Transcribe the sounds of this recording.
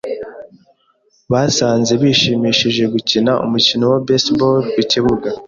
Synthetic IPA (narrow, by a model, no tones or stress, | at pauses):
βasaːnze̞βiːʃiːmiːʃiʒe̞ɡucinaʔṵmucinowabesbolwiciβuɡa